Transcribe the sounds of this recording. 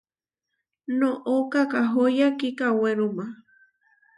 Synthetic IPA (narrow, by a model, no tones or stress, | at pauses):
nõʔokakaɦojakikaweɾuma